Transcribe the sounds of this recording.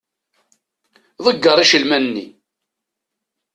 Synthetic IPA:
ðˤəɡːəɾˤiʃəlmænnːḭ

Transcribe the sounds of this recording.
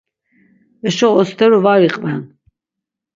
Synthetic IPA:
ɛʃɔɔst̪ʰɛɾuvaɾiqʼvɛn

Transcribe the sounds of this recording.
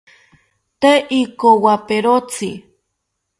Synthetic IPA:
t̪eʔikowapeɾot͡sʰi

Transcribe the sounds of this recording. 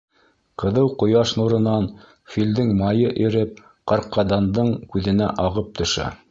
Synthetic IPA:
qɤ̆ðɤwqŏjɑʃnuɾɤ̆nɑn | fild̪ɘŋmɑjɤʔiɾɘp̚ | qɑɾqːɑd̪ɑnd̪ɤɴkʉðɘ̆næʔɑʁɤp̚t̪ɵ̆ʃæ̰

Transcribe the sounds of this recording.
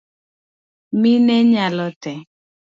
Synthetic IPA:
minɛɲalɔtɛ

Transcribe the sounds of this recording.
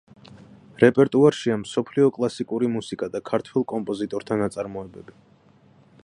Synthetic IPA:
ɾɛpʼɛɾt̪ʼuaɾʃiamsɔpʰliɔkʼlˠasikʼuɾimusikʼad̪akʰaɾt̪ʰwɛlˠkʼɔmpʼɔzit̪ʼɔɾt̪ʰanat̪sʼaɾmɔɛbɛbi

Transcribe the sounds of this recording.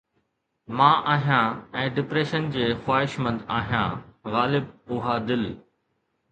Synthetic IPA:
mãːʔaːɦijãːɛ̃ːɖɪpɾeːʃənd͡ʑeːxwaːɦɪʃmə̃nd̪aːɦijã̰ːɣaːlɪbʊɦad̪ɪl

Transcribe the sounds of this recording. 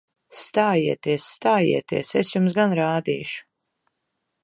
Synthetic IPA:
st̪aːjiɛt̪iɛsːt̪aːjḭɛt̪ḭɛsɛsjumsɡanɾaːd̪ḭːʃu̥

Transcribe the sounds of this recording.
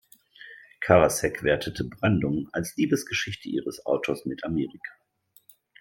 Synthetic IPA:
kʰaʁasɛkv̥ɛɐtʰətʰəbʁandʊŋa̰lsliːbəsɡ̥əʃɪçtəʔiːʁəsʔa̰ʊtʰoːɐsmɪtameːʁikʰḁ

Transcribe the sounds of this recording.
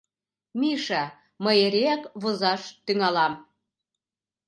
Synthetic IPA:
miʃɑ | məjeɾeækβozɑʃt̪yŋɑlɑm

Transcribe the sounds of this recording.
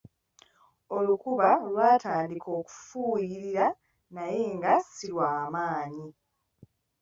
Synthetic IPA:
o̞lukuβalwaːtʰaːndikʰo̞ːku̥fuːjiɾiɾa | naje̞ŋɡasiwaːmaːɲi

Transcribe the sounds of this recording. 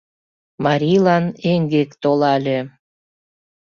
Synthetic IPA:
mɑɾʲijlɑneŋɡekt̪olɑlʲe

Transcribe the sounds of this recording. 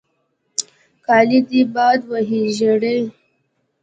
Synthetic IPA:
kɑlid̪ibɑd̪waɦiʒeɽej

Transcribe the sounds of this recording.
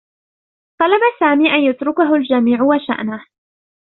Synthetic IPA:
t̪ˤɑlabasaːmiːʔanjat̪ɾʊkaɦʊld͡ʒamiːʕʊwaʃa̰ʔnah

